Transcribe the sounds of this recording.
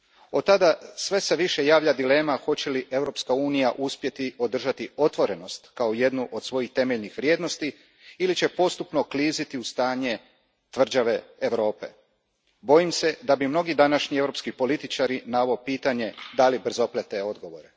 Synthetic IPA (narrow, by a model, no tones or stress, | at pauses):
o̞t̪ːad̪asʋe̞se̞ʋiʃe̞jaːʋʎʲad̪ile̞ːmaxo̞t͡ɕe̞liʔe̞ʋɾo̞pskauːnijaʔuspje̞t̪io̞d̪r̩ʒat̪io̞t̪ʋo̞ɾe̞no̞st̪kaoje̞d̪nuʔo̞d̪sʋo̞jixt̪e̞meʎnixʋɾʲjeːd̪no̞st̪i | ilit͡ɕe̞po̞st̪upno̞kliːzit̪iust̪aːɲe̞ | t̪ʋr̩d͡ʑaʋe̞ːʋɾo̞ːpe̞̰ | bo̞jimse̞d̪abimno̞ɡid̪anaʃɲie̞vɾo̞pskipo̞lit̪it͡ʃaɾinaʋaopiːt̪aɲe̞d̪alibr̩zo̞plet̪eo̞d̪ɡo̞ʋo̞ɾe